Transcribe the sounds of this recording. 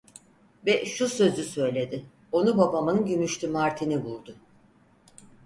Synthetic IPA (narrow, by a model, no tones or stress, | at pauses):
vɛʃusø̞zysø̞jlʲe̞d̪ɪ | o̞nubabamɯnɟymyʃt̪ʰymaɾt̪ʰinibulˠd̪ʊ